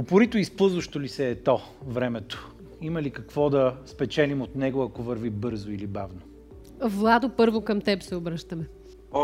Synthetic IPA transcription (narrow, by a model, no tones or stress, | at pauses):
opʊɾit̪oispɤlˠzvɐʃt̪olisɛːt̪ɔ | vɾɛmɛt̪o̥ | imɐlikɐkvɔd̪ɐspɛt͡ʃɛlimot̪nɛɡoɐkovɐɾvibɤɾzoilibavno | vlˠad̪opɤɾvokɐmt̪ɛpsɛobɾəʃt̪ɐmɛ